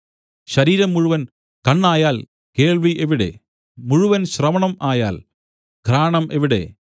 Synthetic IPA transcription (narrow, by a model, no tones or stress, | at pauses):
ɕɐɾiːɾɐmːuɻuʋɐn | kɐɳːaːjaːl | ke̞ːɭʋiʔeʋiɽḛ | muɻuʋɐnɕrɐmɐɳɐmaːjaːl | ɡʱɾaːɳɐmʔeʋiɽe̞̰